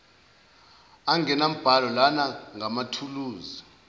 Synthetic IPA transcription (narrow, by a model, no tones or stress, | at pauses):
aŋɛnam̩b̥ʱalɔlanaŋamatʰuluːzɔ